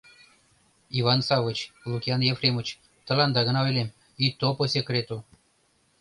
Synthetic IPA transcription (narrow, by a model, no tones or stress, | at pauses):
ivɑnsɑvɤ̆t͡ɕlˠukʲiɑnjefrʲemŭt͡ɕ | t̪ɤ̆lɑnd̪ɑɣɤ̆nɑvelʲemʲ | it̪oposʲekrʲet̪u